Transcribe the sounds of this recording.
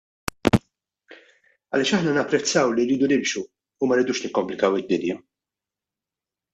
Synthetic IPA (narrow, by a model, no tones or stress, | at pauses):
ɐ̰lɪːʃɐħnɐnɐpːɾɛt͡sːɐwlirːiːd̪unɪmʃuː | mɐɾɪd̪uːʃnɪkːɔmplɪkɐwɪd̪ːɪnjɐ